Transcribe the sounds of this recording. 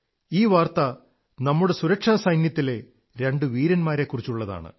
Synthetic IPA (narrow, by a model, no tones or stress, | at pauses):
iːʋaːrt̪ɐ | nɐmːuɽe̞suɾɐkʂaːsɐjnjɐt̪ːile̞ | ɾe̞ɳɖɨʋiːɾɐnmaːɾe̞kːurit͡ɕːuɭːɐða̰ːɳɨ̰